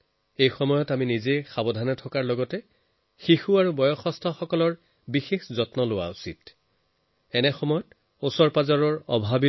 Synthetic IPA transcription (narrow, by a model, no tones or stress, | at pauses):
ejxɔmɔjɔtaminizexabɔdʱanɛtʰɔkaɹlɔɡɔtɛ | xixuaɹubɔjɔxɔstʰɔxɔkɔlɔɹ | bixexzɔtnɔlʊwa̰usḭt | ɛnɛxɔmɔjɔt | osɔɹpazaɹɔɹɔbʱabi